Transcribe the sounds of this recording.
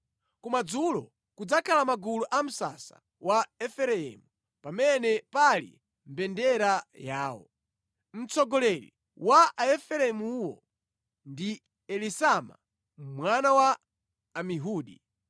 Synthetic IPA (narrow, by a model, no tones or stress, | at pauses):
kumad͡zulɔ | kud͡zakʰalamaɡuluʔam̩sa̰sa̰ | waɛfɛɾɛɛ̰ːmu | pamɛnɛpalḭ | m̩bɛndɛɾajaːwɔ̰ | m̩t͡sɔɡɔlɛɾḭ | waaɛfɛɾɛmuwɔ̰ | ndi | ɛlisama̰ | mwanawaː | miɦuːɗi